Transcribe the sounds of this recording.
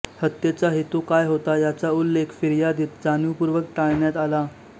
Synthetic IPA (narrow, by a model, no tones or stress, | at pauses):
hət̪jet͡saɦet̪ukajɦot̪ajat͡saulːekʰfiɾjad̪iːt̪d͡zanjupuɾʋək̚ʈaɭɳjat̪ala